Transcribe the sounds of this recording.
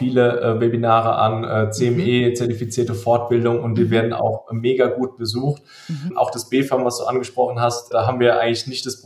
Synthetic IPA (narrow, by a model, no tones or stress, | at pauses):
fiːləvɛbinaːʁə̰ʔa̰nʔɛːt͡seɛmʔeːt͡sɛɐtifit͡siːɐtəfɔɐtb̥ɪldʊŋʊntviːɐveːɐdn̩a̰ʊxmeːɡaɡuːt̚b̥əzuːxt | ʔa̰ʊxd̥asb̥eːfamvasd̥ṵːʔa̰nɡəʃpʁ̥ɔχn̩ɦastd̥aːɦaːbmviːɐʔa̰ɪɡəŋ̩lɪçnɪçtd̥asb